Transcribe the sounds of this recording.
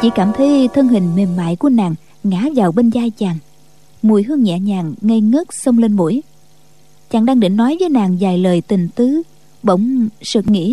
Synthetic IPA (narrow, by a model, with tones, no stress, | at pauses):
t͡ɕḭ˧˥kaː˧˩mt̪ʰə˨˦jt̪ʰə˧ŋɦï˨˩ŋ̟me˨˩nma̰ː˧˨jku˧˩ənaː˨˩ŋ | ŋaː˧˥˦zaː˨˩wɓe˧nzaː˧jt͡ɕaː˨˩ŋ | mu˨˩əjɦɨ˧əŋɲɛ̰˧˨ɲaː˨˩ŋːə˧jŋə˦˥t̚sə˧wŋ͡mle˧nmṵ˧˩˥j | t͡ɕaː˨˩ŋɗaː˧ŋɗḭ˧˨ŋ̟nɔ˨˦jvəː˨˦jnaː˨˩ŋzaː˨˩jləː˨˩jt̪ï˨˩ŋ̟t̪ɨ˨˦ | ɓə̰˧˨wŋ͡msɨ̰˧˨˩ŋḭ˧˥